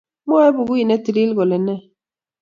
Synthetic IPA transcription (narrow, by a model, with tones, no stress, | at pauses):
m˦a˦ɛ˦bu˨ɣu˦i˨nɛ˦ti˨li˦lɣɔ˨lɛ˨nɛ˦˨